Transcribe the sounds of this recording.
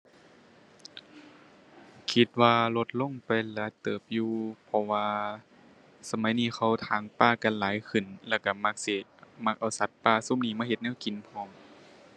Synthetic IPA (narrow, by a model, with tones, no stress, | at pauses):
kʰi˧˦t̪̚waː˧lo˧t̪̚lo˧˥˨ŋpa˨jlɯ˨˦a˦t̪ɤː˨˩p̚juː˧pʰɔ˧waː˧ | sa˧ma˨˦jniː˧˩˨xʰa˧˩wt̪ʰaː˨˧˦ŋpaː˧˥˩ka˨nlaː˨˦jkʰɯ˧˩nlɛː˧˩wka˧˩ma˧˥k̚si˧˩ma˧˥k̚ʔa˨˩wsa˨˧˦t̪̚paː˧˩˨su˧˥˨mniː˧˩˨maː˧˥˨he˧t̪̚nɛː˧˥˨wki˨npʰɔː˧˩ŋ